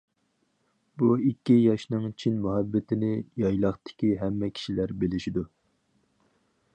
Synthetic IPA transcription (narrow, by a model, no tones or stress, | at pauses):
buikʲːijɑʃnɨŋt͡ʃʰinmuɦɑbːɪt̪ʰɪnɪjɑjlˠɑχt̪ɪ̥kʲiɦɛmːɛkʲʰi̥ʃilæɾbelɪʃid̪u